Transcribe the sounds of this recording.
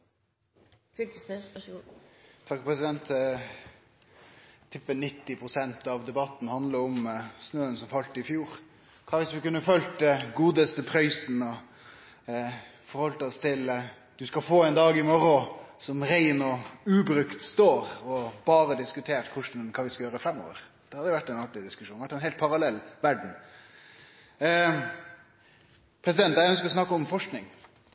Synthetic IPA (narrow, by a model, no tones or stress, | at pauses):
t̪ʰɑkːpʰɾɛsɪd̪ɛnt̪ | t̪ʰːɪpːənɪt̪ːɪpʰɾʊsɛnt̪ɑʋd̪ɛbɑt̪ːn̩hɑnd̪ləɾɔmsnøːənsɔmfɑlt̪əɪfjuːɾ | kʰɑːʋɪsʋɪkʉnːəfœlt̪əɡuːd̪əst̪əpʰɾœʏsnɔ | fɔɾhɔlt̪əɔst̪ʰɪl | d̪̥ʉskɑfoːɛɪnd̪ɑːɡɪmɔɾɔsɔmɾæɪnɔʉːbɾʉkt̪st̪oːɾɔbɑːɾəd̪ɪskʉt̪ʰeːʈkʰʊʂɳ̩kʰɑːʋɪskɑjøːɾəfɾɛmːo̰ːʋə̰ɾ | d̪ɛːhɑd̪əjʊʋæʈːɛnɑk̚ʈɪd̪ɪskʉʃʂuːʋæʈːɛnɦɛlt̪̚pʰɑɾɑlɛlːʋæɖɳ̩ | pʰɾɛsɪd̪ɛnt̪ːjæɪœnskəɾɔsnɑkːəɔmfɔʂknɪŋ